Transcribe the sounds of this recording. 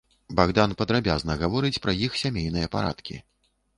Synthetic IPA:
baɣd̪anpɐd̪ɾabʲaznɐɣavɔɾɨt͡sʲpɾɐjixsʲamʲejn̪ɨjɐpa̰ɾa̰t̪kʲḭ

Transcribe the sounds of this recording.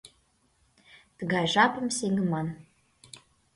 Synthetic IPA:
t̪ə̆ɣɑjʒɑpɤ̆mseŋɘ̆mɑn

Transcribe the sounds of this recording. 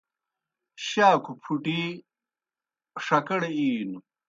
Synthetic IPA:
ɕaːkʰupʰuʈi | ʂɐkɐɽeiːnu

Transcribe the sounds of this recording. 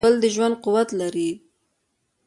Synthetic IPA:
əld̪əʒwand̪̚quwat̪laɾi

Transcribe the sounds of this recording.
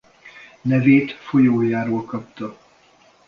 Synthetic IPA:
nɛveːt̪fo̞joːjaːɾoːlkɒpt̪ɒ

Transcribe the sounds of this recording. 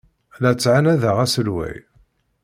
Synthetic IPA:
læt͡sːʕanæðəʁæsəlwæ̰j

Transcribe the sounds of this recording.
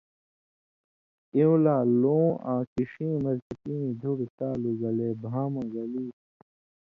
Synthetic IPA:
iwlaːlõːʔãːkiʂĩːmɐɾt̪ipinĩd̪ʱuɽt̪aːluɡɐleːbʱaːmɐ̃ɡɐliː

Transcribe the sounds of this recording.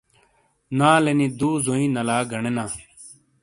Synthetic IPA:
nãːlenĩːd̪uːzoːĩːnəlaːɡʱəɳenãː

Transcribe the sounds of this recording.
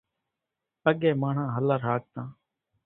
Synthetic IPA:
pəɠeːmaːɳ̤ãːɦəlaːɾɦaːk̚t̪ãː

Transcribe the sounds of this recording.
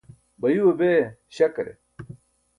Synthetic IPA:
bɐjuɐbeːɕɐkɾḛ

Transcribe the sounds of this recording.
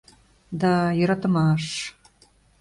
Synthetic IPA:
d̪ɑjøɾɑt̪ə̆mɑʃ

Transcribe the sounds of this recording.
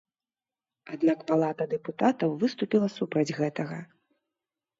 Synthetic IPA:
ad̪nakpalˠat̪ɐd̪ɛput̪at̪ɐwvɨst̪upʲilˠɐsupɾɐd͡zʲɣɛt̪ɐɣɐ

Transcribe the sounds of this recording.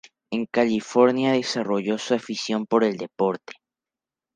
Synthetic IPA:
e̞ŋkalifo̞ɾnjaðe̞saro̞ʝo̞suafisjo̞mpo̞ɾe̞ld̪epo̞ɾt̪e̥

